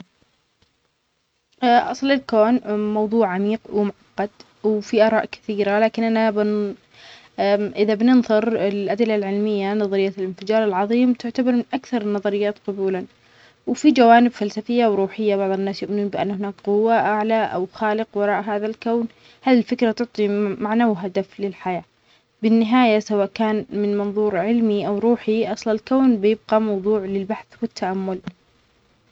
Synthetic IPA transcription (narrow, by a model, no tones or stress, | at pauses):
ʔɑsˤlɪlkoːnmɑwðˤuːʕamiːqwɪmʊʕɑqːɑd̪ | wfiʔɑːɾˤɑ̰ːʔkɪ̥θiːɾalaːkɪnʔanabɪ | ʔɪðabnɪnðˤɨɾɪlʔad̪ɪlːalʕɪlmɪjːanɑðˤɑɾɪjːaɪlɪnfɪd͡ʒɑːɾˤɪlʕɑðˤiːmt̪ɪʕt̪abɑɾˤmɪnʔakθɑɾˤnːɑðˤɑɾɪjːaːt̪qʊbuːla | wɪfid͡ʒawaːnɪbfalsafɪjːawɾuːħɪjːabɑʕðˤɨnːaːsjʊʔmɪnuːnbɪʔa̰nːhɪnaːkqʊwːaʔaʕlaʔa̰wxaːlɪqwɑɾˤɑːʔɦaːðalkawn | haːðilfɪkɾat̪ʊʕt̪ˤimaʕnawɦad̪aflɪlħajaː | bɪnːɪɦaːjasawaːʔkaːnmɪnmɑnðˤuːɾʕɪlmiʔawɾuːħiʔɑsˤlɑlkawnbɪjɪb̚ɡɑmɑwðˤuːʕlɪlbaħθwɪt̪ʰːaʔamːʊl